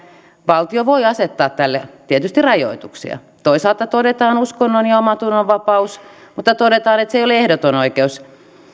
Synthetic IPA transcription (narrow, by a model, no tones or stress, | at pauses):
ʋɑlt̪ioʋoiɑset̪ːɑːt̪t̪ælːet̪iet̪yst̪irɑjo̰it̪uksḭɑ̰ | t̪oisɑlt̪ɑt̪odet̪ɑːnuskonːonjɑomɑt̪unːoʋʋɑpɑusmut̪ːɑt̪odet̪ɑːnet̪seioleehdot̪onoikeus